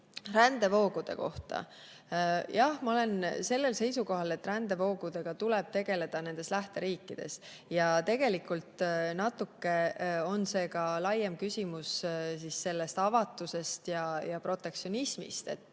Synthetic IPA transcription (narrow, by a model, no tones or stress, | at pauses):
rænd̪̥e̞vo̞ːɡud̪̥e̞̰ko̞̰ht̪ɑ̰ | jɑhmɑo̞le̞nse̞lːe̞lse̞jsuko̞ɦɑle̞t̪ːˑrænd̪e̞vo̞ːɡ̥ud̪̥e̞ɡ̥ɑt̪ulɛb̥̚t̪e̞ɡ̥e̞le̞d̪̥ɑne̞nd̪e̞slæht̪e̞ɾiːkːˑid̪̥e̞̰s | jɑt̪e̞ɡe̞likult̪nɑt̪ːˑukːe̞o̞nse̞ːkɑlɑjːemkysʲimussisːe̞lːe̞st̪ɑvɑt̪ːˑuse̞st̪jɑjɑpro̞t̪ˑːe̞kt̪sio̞nismḭst̪e̞̰t̪ːˑ